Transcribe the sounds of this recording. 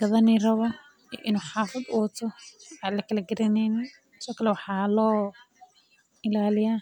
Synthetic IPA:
ɡ̥ɐðɐnirɐβɔ | iʔɪnuːħɑːfɐd̪ʊwɐt̪ʰɔʕaːlɐkʰɐlɐɡɐɾɪnɛjnɛ | sɔːkʰɐlɛwɑħɑːlɔː | ɪlaːlɪjaː

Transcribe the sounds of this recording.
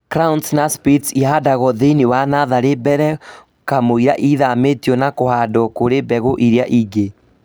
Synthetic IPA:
kɾaunsnaspitiadaɣɔðeniwanaðaɾebɛɾɛ | kamoiɾa̰ʔiðametiɔnakohadɔkoɾebɛɣoʔiɾeaʔiɡe

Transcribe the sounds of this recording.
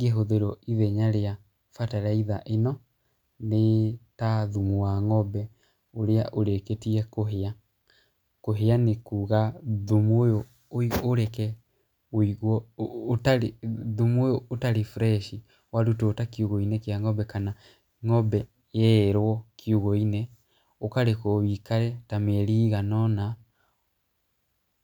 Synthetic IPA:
ɡeɦoðeɾɔiðɛɲaɾea | fataɾaiðaʔenɔ | netaðumuwaŋɔbɛ | oɾeaʔoɾeketiɛkoɦea | koɦeanekuːɣaðumojo | oioɾɛkɛ | oiɣwɔtaɾeðumojootaɾefɾɛʃi | waɾutoːtakiuɣɔinɛkjaŋɔbɛkana | ŋɔbɛ | jɛeɾwɔkʰiuɣɔinɛ | okaɾekɔwikaɾɛtameɾiːɣanɔna

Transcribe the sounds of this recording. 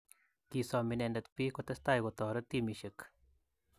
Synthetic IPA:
kisɔːminenɐt̪pikot̪ɐst̪aːjɡot̪ɔːɾɐt̪imiʃɐk

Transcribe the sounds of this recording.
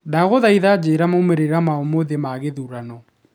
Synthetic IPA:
daɣoðaiðad͡ʑeɾamaumeɾeɾamaomoðemaɣeðuɾanɔ

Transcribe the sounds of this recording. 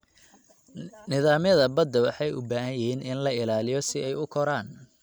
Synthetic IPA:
nɪðaːmjɐðɐbɐd̪ːɐwɑ̰ħɑjʊ̰baːɦɐjɪɦiːnʔɪnlɐɪlaːlɪjɔsɪɛjʊkʰɔɾaːn

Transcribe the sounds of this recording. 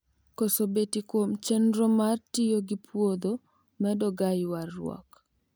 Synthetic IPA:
kɔsobetikwomt͡ʃɛnɾomartɪjoɡipʰwod̪o | mɛdɔɡajwarːwɔ̰k

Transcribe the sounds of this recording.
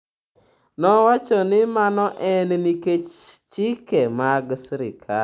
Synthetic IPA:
nɔwat͡ʃɔnɪmanɔʔɛnniket͡ʃ | t͡ʃɪkemaɡsɾɪkʰa

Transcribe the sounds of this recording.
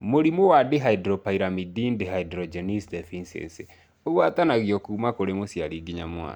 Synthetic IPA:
moɾimowadeɦaidɾɔpaiɾamidindeɦaidɾɔd͡ʒɛnisdɛfinsɛ̰nsi | oɣwatanaɣjɔkuːmakoɾemosjaɾiɡiɲamwa̰

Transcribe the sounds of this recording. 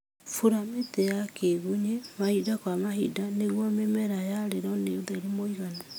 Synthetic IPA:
fuɾametejakeɣuɲemahidakwamahidaneɣwɔmemɛɾajaɾeɾɔneuðaeɾemoiɣana

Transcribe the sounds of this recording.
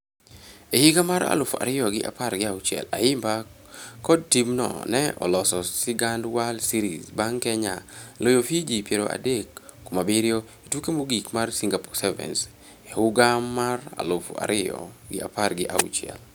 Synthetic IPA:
ehiɡamaɾa̰lʊfa̰ɾɪjɔɡɪʔa̰parɡɪawt͡ʃɛ̰la̰ɪmba | kɔd̚timnɔ̰nɛɔ̰lɔsɔsɪɡandwalsiɾizbaŋkɛɲa̰lojofid͡ʒipjeɾoʔa̰dekː | omabiɾjo | itwukemoɡikmarsiŋɡapɔsɛvɛ̰ns | eʊɡamːara̰lʊfa̰ɾɪjɔ̰ɡɪʔaparɡɪʔa̰ṵt͡ʃɪɛ̰l

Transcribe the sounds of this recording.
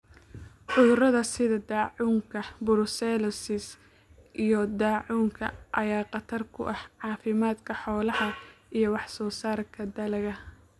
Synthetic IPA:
ʕʊðʊrɐðɐsɪðɐd̪aːʕuːŋkʰɐbʊɾʊsɛlɔsɪs | ʔijɞd̪aːʕuːŋkʰɐ̰ʔɐjaːqɑt̪ʰɐrkʰʊ̰ʔɐhʕɑːfɪmaːd̪kʰɐħɔːlɐhɐʔijɞwɑħsɔːsaːrkʰɐd̪ɐlɐɣɐ

